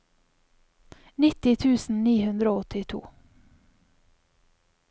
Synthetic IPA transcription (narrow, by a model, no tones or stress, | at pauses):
nɪt̪ɪt̪ʰʉːsn̩niːhʉnd̪ɾoːɔt̪ʰɪt̪ʰṵː